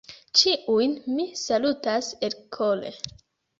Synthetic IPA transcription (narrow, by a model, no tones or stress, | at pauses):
t͡ʃiʔujnmisalutaselkʰolḛ